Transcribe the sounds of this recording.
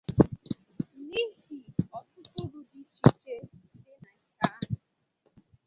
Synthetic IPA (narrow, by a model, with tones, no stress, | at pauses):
ni˦hi˨ɔ˦tʊ˦kʊ˦ɾu˨di˨˦t͡ʃi˦t͡ʃe˦n̩˨˦dɪ˦na˨ŋ̩˦ka˦a˦ɦʊ˨